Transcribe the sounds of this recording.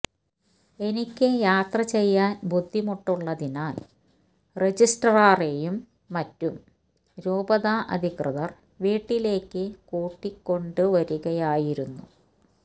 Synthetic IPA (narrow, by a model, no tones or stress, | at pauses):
e̞nikʲːɨjaːt̪rɐt͡ɕe̞jːaːnbud̪ʱːimoʈːuɭːɐðinaːl | re̞d͡ʑisʈɐraːrejumː | ɐtːum | ɾuːbɐðaʔɐ̰d̪ʱikrɨðɐr | ʋiːʈːile̞ːkːɨkoːʈːikːo̞ɳɖɨʋɐɾuɣɐjaːjiɾunːṵ